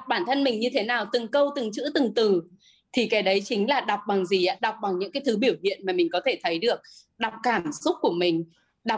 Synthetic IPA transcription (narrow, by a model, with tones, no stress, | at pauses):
k͡p̚ɓaː˧˩nt̪ʰə˧nmï˨˩ŋ̟ɲɨ˧t̪ʰe˨˦naː˨˩wt̪ɨ˨˩ŋkə˧wt̪ɨ˨˩ŋt͡ɕɨ̰˧˥t̪ɨ˨˩ŋt̪ɨ˨˩ | t̪ʰi˨˩kɛ˨˦ɗə˨˦jt͡ɕï˨˦ŋ̟laː˨˩ɗa˨˩wk͡p̚ɓa˨˩ŋzi˨˩ʔaː˨˦ɗa˨˩wk͡p̚ɓa˨˩ŋɲɨ̰˧˥ŋkaː˨˦jt̪ʰɨ˨˦ɓi˧˩əwhḭ˧˨ənmaː˨˩mï˨˩ŋ̟kɔ˨˦t̪ʰe˧˩t̪ʰə˨˦jɗɨ˨˩ək̚ | ɗa˨˩wk͡p̚kaː˧˩msʊ˦˥t̚ku˧˩əmï˨˩ŋ̟ | ɗa˨˩